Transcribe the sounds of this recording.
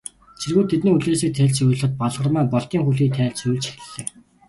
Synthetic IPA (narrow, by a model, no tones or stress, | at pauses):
t͡ɕʰerɣuːt̪ʰːet̪niːuɮeːsiːk̚t̪ʰæːɮt͡ɕʊj̆ɮ̆χə̆t̪̚paɮʁə̆rmæːpɔɮt̪iːŋxuɮiːt̪ʰæːɮt͡ɕujɮt͡ɕi̥xt̪ɘ̆ɮːeː